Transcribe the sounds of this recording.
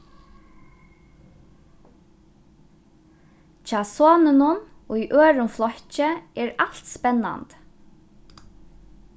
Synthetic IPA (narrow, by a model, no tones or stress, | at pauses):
t͡ʃʰɑːsoːnɪnʊnujʔøːɹʊnflɔht͡ʃəɛːɹalt̪spɛnːa̰nt̪